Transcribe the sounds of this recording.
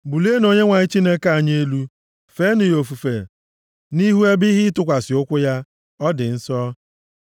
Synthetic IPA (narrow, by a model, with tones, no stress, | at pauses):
bu˨le˦no˨ɲe˦ŋʷa˨ɲɪ˦t͡ʃi˦ne˦ka˦˨ɲe˦lu˦ | fe˦nɪ˨jo˨fu˨fe˨ | ni˦ɦu˦e˦bi˦ɦɪ˦tʊ˦kʷa˨sɪ˨ʊ˦kʷʊ˦ja˦ | ɔ˦dɪ˨n̩˦sɔ˦